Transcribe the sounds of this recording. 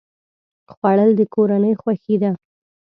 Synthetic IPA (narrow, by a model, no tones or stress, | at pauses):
xwaɽəld̪əkoɾanəjxwaxid̪a